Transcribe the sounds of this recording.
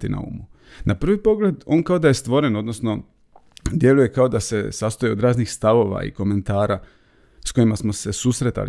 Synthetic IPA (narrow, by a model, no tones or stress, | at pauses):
t̪inʔa̰ṵːmu | nʔapr̩ʋipo̞ɡle̞d̪o̞ːnkaod̪aje̞st̪ʋo̞ɾe̞no̞d̪no̞sno̞ | d̪je̞luje̞kao̞d̪ase̞sast̪ojeo̞d̪ɾaːznixst̪aʋo̞ʋa̰ḭko̞me̞nt̪aːɾa | sko̞imasmose̞susɾet̪a̰l